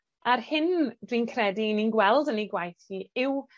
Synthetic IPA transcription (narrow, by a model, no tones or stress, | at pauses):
aɾhɪndwiːnkʰrɛdiininɡwɛlˠdəniɡwajθiɪw